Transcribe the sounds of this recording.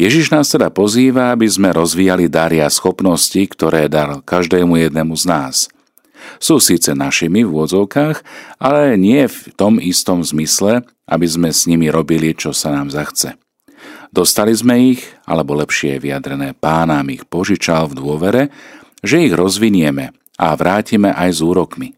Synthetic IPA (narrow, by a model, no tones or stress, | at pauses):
jɛʒiʒnaːst̪ɛd̪apɔziːʋaabizmɛɾɔzʋiːjalid̪aɾiasxɔpnɔscikt̪ɔɾɛːd̪alkaʒd̪ɛːmujɛd̪nɛmuznaːs | suːsiːt͡sɛnaʃimivʊɔd͡zɔʊkaːɣalɛɲɪɛft̪ɔmist̪ɔmzmislɛ | ʔa̰bizmɛsɲimiɾɔbilit͡ʃɔsanaːmzaxt͡sɛ | d̪̥ɔst̪alizmɛiɣa̰lɛbɔlɛpʃɪɛʋiad̪ɾɛnɛːpaːnaːmixpɔʒit͡ʃalvd̪ʊɔʋɛɾɛ | ʒɛiɣɾɔzʋiɲɪɛmɛ | aʋɾaːcimɛʔajzuːɾɔkmi